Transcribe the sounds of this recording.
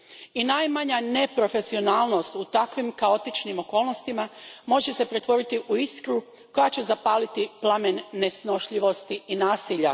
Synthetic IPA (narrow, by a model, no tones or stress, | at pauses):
inajmaɲane̞pɾo̞fe̞sio̞naːlˠno̞st̪ut̪akʋimkao̞t̪it͡ʃnimo̞ko̞ːlˠno̞st̪imamo̞ʒe̞se̞pɾe̞t̪ʋo̞ɾit̪iʔuiskɾu | ko̞jat͡ɕezapaːlit̪iplˠamenːe̞sno̞ʃʎiʋo̞st̪iinaːsiːʎa